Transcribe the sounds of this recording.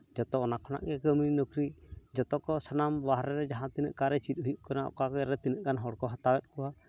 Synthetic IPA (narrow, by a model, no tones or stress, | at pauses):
d͡ʒɔt̪ɔɔnakʰɔna̰ʔɡɛkəminɔkɾid͡ʒɔt̪ɔkɔsanamwaɦɾɛɾɛd͡ʒaɦãt̪inə̰ʔkaɾɛt͡ʃit̪̚ˀɦujuʔ̚kɔnaʔɔ̰kakɛɾɛt̪inəʔkanɦɔɽkɔɦat̪awɛt̪̚kɔwa